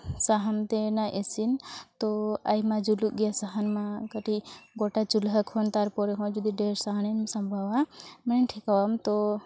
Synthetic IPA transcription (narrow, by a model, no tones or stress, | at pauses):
saɦəmt̪enaʔesint̪ɔajmãd͡ʒuluʔ̚ɡɛjasaɦənmãkəʈiɡɔʈat͡ʃulɦəkʰɔnt̪aɾpɔɾɛɦɔ̃d͡ʒud̪iɖeɾsaɦəninmsɐmbʱawaməninʈʰikawamt̪ɔ